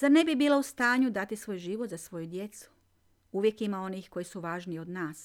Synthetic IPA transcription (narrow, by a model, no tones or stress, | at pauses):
zaɾne̞bibiːlaust̪aːɲud̪at̪isʋo̞jʒiːʋot̪zasʋo̞jud̪je̞t̪su̥ | uʋjekimao̞nixko̞jisuʋaːʒnio̞d̪naːs